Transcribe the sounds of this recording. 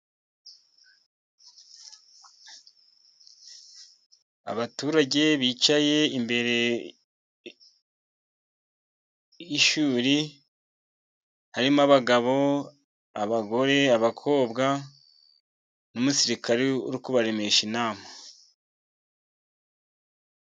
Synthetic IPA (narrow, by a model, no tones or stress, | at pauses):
a̰βatuːɾaɟe̞βiːt͡ʃaje̞imbe̞ɾe̞ | jiʃuːɾi | haɾimoaβaɡaβo̞ | aβaɡo̞ɾe̞aβakʰo̞ːbɡa | nomusiɾikaɾeṵɾikuβaɾemeʃinaːma